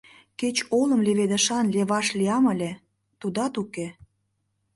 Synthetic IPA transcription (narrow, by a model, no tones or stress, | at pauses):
ket͡ɕolə̆mleβed̪ə̆ʃɑnleβɑʃliɑmə̆lʲe | t̪ud̪ɑt̪uke